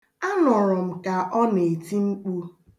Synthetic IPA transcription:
a˦nɔ˨ɾɔ˨m̩˨ka˨ʔɔ˦ne˨ti˦ŋ͡m̩˦k͡pu˦

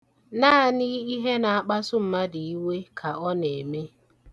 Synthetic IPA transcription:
naː˦˨ni˦i˦ɦe˦na˨a˨k͡pa˦sʊ˦m̩˨ma˦di˨i˦we˦kʰa˨ɔ˦ne˨me˦

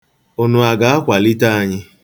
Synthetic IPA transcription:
o˨nʊ˨a˨ɡa˦a˦kʷa˨li˦ta˦a˨ɲɪ˦

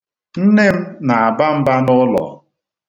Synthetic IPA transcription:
n̩˦ne˦m̩˦na˨a˨ba˦m̩˦ba˦nʊ˦lɔ̰˨

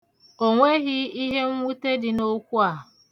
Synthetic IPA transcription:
o˨ŋʷe˦ɣɪ˦i˦ɦe˦ŋ̩ʷ˦u˦te˦dɪ˨no˦kʷu˦a˨

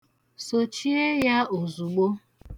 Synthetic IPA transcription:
so˨t͡ʃi˦e˦ja˦o˨zu˨ɡ͡bo˦

